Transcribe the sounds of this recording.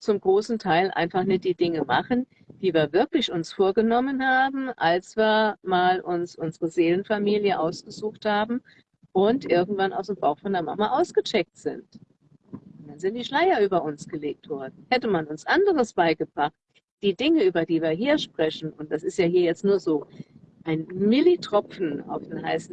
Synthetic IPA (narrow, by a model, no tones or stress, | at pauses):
t͡sʊmɡʁoːsn̩tʰaɪlʔa̰ɪnfaχnɪt̚d̥iːd̥ɪŋəmaχən | d̥iːviːɐvɪɐklɪçʊnsfoːɐɡənɔmənhaːbm̩ʔalsv̥iːɐmaːlʔʊnsʔʊnzəʁəzeːlənfamiːljəʔaʊsɡ̥əzuːxthaːbm̩ | ʔʊntʔɪɐɡŋ̩tv̥ana̰ʊsd̥eːmbaʊxfɔndeːɐma̰maʔaʊsɡ̥ət͡ʃɛk̚tz̥ɪ̰nt | ʊnd̥anzɪnt̚d̥iːʃlaɪɐʔyːbɐʔʊnsɡ̥əleːk̚tv̥ɔɐdn̩hɛtəmanʊnsʔandəʁəsb̥aɪɡəb̥ʁaχt̚ | d̥iːdɪŋəyːbɐdiːviːɐɦiːɐʃpʁ̥ɛçn̩ʊntd̥asɪstjaːhiːɐjɛt͡stnuːɐzoː | ʔaɪnmɪlitʁ̥ɔp͡fn̩a̰ʊfd̥eːnhaɪsn̩